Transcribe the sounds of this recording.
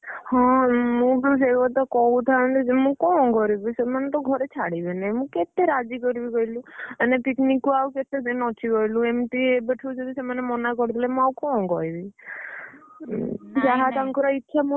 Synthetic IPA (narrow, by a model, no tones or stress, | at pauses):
hɔ̃mũbis̬eɔt̪ɔkɔũt̪ʰãnt̪imũkɔ̃ɡʱɔɾibisemanet̪ɔɡʱɔɾet͡ʃʰaɽibenɛmũket̪eɾad͡ʒikɔɾibiɡɔilũanepiknikːuawket̪ed̪enɔt̪ʰiɡɔɦilũemt̪iebəʈʰid͡ʒed̪isemanemɔnakɔɾt̪ʰilemũakɔwɡɔibi | d͡ʒaɦat̪aŋkɔɾɔit̪ːʃʰamu